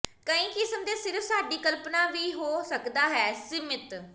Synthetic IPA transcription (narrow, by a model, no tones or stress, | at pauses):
kəĩːkɪsəmd̪eːsɪɾəfsaːɖiːkəlpnaːʋiːɦoːsəkd̪aːɦɛːsɪmɪt̪